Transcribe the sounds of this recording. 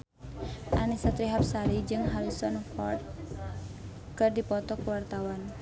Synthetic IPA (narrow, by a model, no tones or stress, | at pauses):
ʔanisat̪ɾiɦap̚saɾid͡ʒɨŋɦaɾisɔnfɔrt̪̚ | kɨrdipɔt̪ɔkwart̪awan